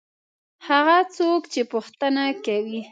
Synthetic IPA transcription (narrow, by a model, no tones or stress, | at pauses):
haɣat͡sokt͡ʃepʊxt̪anakawi